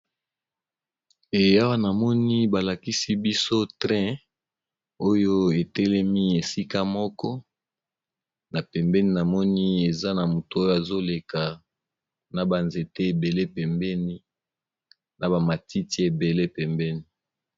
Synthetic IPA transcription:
e˨ja˦wa˦na˨mɔ˦ni˦ba˨la˨ki˦si˦bi˦so˦tʁɛ̃˦ | o˦jo˦e˨tɛ˦lɛ˦mi˦e˨si˦ka˦mɔ˦kɔ˦ | na˨pɛ˨mbɛ˦ni˦na˨mɔ˦ni˦e˨za˦na˨mo˨to˨o˦jo˦a˨zo˦le˨ka˨ | na˨ba˨nze˨te˦e˨be˨le˦pɛ˨mbɛ˦ni˦ | na˨ba˨ma˨ti˦ti˦e˨be˨le˦pɛ˨mbɛ˦ni˦

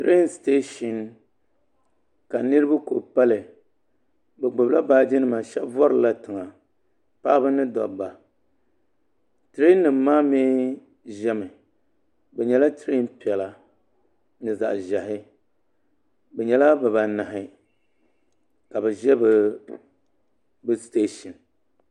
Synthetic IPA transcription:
tɾe˦nste˦ʃi˨n | ka˨nɨ˦ɾɨ˦ba˦ko˨pa˦lɨ˨ | bɛ˨ɡ͡bʊ˨bla˦baː˦d͡ʒɪ˦nɨ˦˨ma˨ʃɛ˦bvɔ˦ɾɨ˨la˦tɨ˨ŋa˨ | pa˦bɨ˦nɨ˦dɔ̰˨ba˨ | tɨ˨ɾe˦nː˦ɨ˨mː˦aː˦meː˦ | ʒɛ˦mɨ˨ | bɛ˨ɲɛ˨la˦tɨ˦ɾi˦n˦pi˨ɛ˨la˨ | nɨ˨za̰˨ʔʒa˨ɦɪ˦ | bɛ˨ɲɛ˨la˦bɨ˨ba˨na˨ɦɪ˨ | ka˨bɛ˨ʒɛ˦bɨ˨ | bɨ˦ste˦ʃi˨n

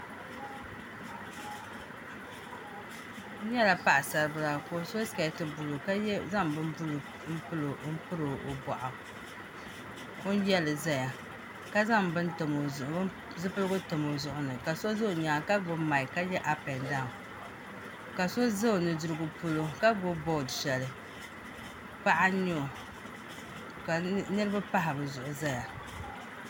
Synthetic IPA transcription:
jɛ˦la˨pa˦ʔa˨sa˨ɾɨ˦ba˦la˨ko˦so˦ska˨˦tɨ˦bʊ˨lo˨ka˦za˦mbɨ˦mblm̩˦pɨ˦lo˨˦m̩˦pɨ˦ɾɨ˨o̰˨ba˨ʔa˨ | o˦n˦jɛ˦lɨ˨za˦˨ja˨ | ka˦za˦mbɨ˦ntɨ˨mo˨˦ | zɨ˦pɨ˦lɡʊ˦tɨ˨mo˨zʊ˦ʔʊ˦nɨ˨ka˨so˦za˦o˨ɲaː˨ka˦ɡo˨ma˨ɪ˨ka˦jɛ˦ʔa˨pɛ˨nda˦˨ | ka˨so˦za˦˨nɨ˨dɨ˨ɾɨ˦ɡʊ˦po˦lo˦ka˦ɡo˦bo˦˨dʃɛ˨lɨ˨ | pa˦ʔa˦ɲo˦˨ | ka˨nɨ˦ɾɨ˦ba˦pa˦ɦa˨bɨ˨zʊ˨ʔʊ˨za˦ja˨

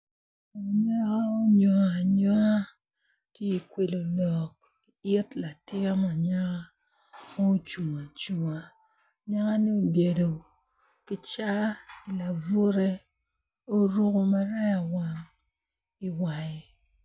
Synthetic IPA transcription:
ɲɛ˦ka˦o˦ɲɔ˨a˨ɲɔ˦a˦ | tje˦i˨kwe˨lo˨lɔ˨k̚ | i˨ɪ˦tla˨tɪ˦a˦ma˨ɲa˦ka˦ | ma˦o˦t͡ʃu˨ŋa˨t͡ʃu˨ŋa˨ | ɲa˦ka˦ni˦o˨bje˨do˨ | kɪ˦t͡ʃa˦i˨la˨vu˦ɾe˦ | o˦ɾu˦ko˨ma˦ɾa˦ja˨wa˦ŋ | i˨wa˨je˨

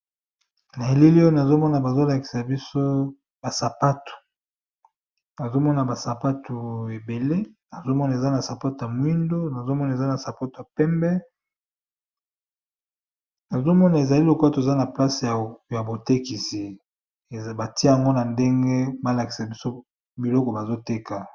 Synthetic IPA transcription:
na˨e˨li˦li˦o˦na˨zo˦mɔ˦na˨ba˨zo˦la˨ki̥˨sa˨bi˦so˦ | ba˨sa˨pa˦tu̥˨ | na˨zo˦mɔ˦na˨ba˨sa˨pa˦tu˨e˨be˨le˦na˨zo˦mɔ˦na˨e˨za˦na˨sa˨pa˦to˨ja˨mwi˦ndo˦na˨zo˦mɔ˦na˨e˨za˦na˨sa˨pa˦to˨a˨pɛ˦mbɛ˦ | na˨zo˦mɔ˦na˨e˨za˨li˦lo˨ko˦a˦to˨za˦na˨pla˦se˨ja˨a˨bo˨te˦ki˨si˨ | ba˨ti˦ja˨ŋɡo˦na˨nde˦ŋɡe˦ba˦la˨ki̥˨sa˨bi˦so˦ | bi˨lɔ˦kɔ˨ba˨zo˦te˦ka˨

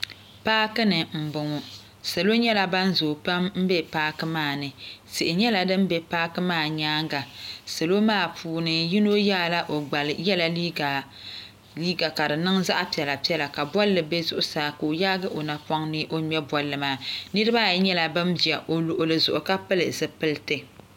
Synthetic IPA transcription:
paː˦kɨ˦nɨ˨m̩˨bʊ˨ŋʊ˦ | sa˨lo˦ɲɛ˦la˦ba˦n˦zoː˨pa˦mm̩˦bɛ˦paː˦kɨ˦maː˦˨nɨ˨sɨ˨ʔɪ˨ɲɛ˦la˨dɨ˦m˦bɛ˦paː˦kɨ˦maː˦˨ɲaː˦ŋɡa˨sa˨lo˦maː˦˨pʰuː˨nɨ˨ji˦no˦ja˦˨la˦ʔo˨ɡ͡ba˨lɨ˨jɛ˦la˨i˦˨ | liː˦ɡa˨ka˨dɨ˨nɨ˦ŋza˦ʔpi˨ɛ˨la˨pi˦ɛ˦la˨ka˨bwɔ˦lːɨ˨be˦zʊ˦ʔʊ˦saː˨˦koː˨jaː˦ɡɨ˦ʔo˨na˨pɔ˦ŋnɨ˦ʔo˦mɛ˦bwɔ˨˦lːɨ˨maː˦˨nɨ˦ɾɨ˦ba˦˨jɲɛ˦la˨bɨ˦mbi˨ɛ˨ʔo˨lʊ˨ʔʊ˨lɨ˨zʊ˨ʔʊ˨ka˦pɨ˦lɨ˨zɨ˦pɨ˦ltɨ˨

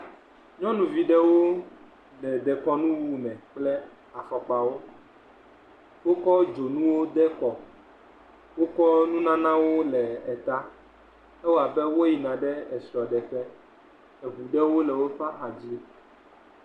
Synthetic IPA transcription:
ɲɔ̃˦nũ˨vi˨ɖɛ˦wo˦ | lɛ˨d̪ɛ˨kɔ˦nũ˦wu˦mɛ̃˨k͡plɛ˦ | a˨fɔ˨k͡pa˦wo˦ | wo˦kɔ˦d͡ʒo˨nũ˦wo˦d̪ɛ˦kɔ˨ | wo˦kɔ˦nũ˦nã˦nã˦wo˦lɛ˨ɛ˨t̪a˦ | ɛ˦wo˦a˨bɛ˦wo˦ji˨nã˨ɖɛ˦ɛ˨sɔ˨ɖɛ˨ɸɛ˦ | ɛ˨βu˨ɖɛ˦wo˦lɛ˨wo˦ɸa˦ʔa˨d͡ʑi˦

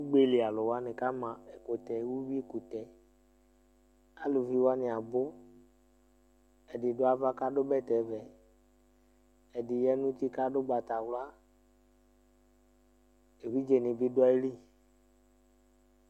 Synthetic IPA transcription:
wu˦ɡ͡be˦le˨a˨lʊ˨wa˦nɪ˨ka˦mã˨e˨ko˨t̪ɛ˨˦wu˦bi˦e˦˨ku˨t̪ɛ˨ | a˦lu˨vi˦wa˦nɪ˨a˨bʊ˦ | ɛ˨dɪ˨dʊ˦a˦va˦ka˦ɖʊ˦bɛ˦˨t̪ɛ˨vɛ˨ | ɛ˨dɪ˨jɛ˦nũ˦t̪i˦ka˦dʊ˦ɡ͡ba˨t̪a˨wla˦ | e˨vi˦d͡ʒe˨nɪ̃˨bi˦dʊ˦a˦e˦li˦

